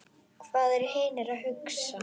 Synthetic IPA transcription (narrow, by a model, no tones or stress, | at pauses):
kʰvaːðɛɾheːnɪɾaðɦʏksa